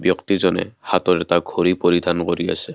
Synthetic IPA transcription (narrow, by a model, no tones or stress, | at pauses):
bjɔktizɔnɛ̰hatɔɹɛtaɡʱoɹipoɹidʱankoɹia̰sɛ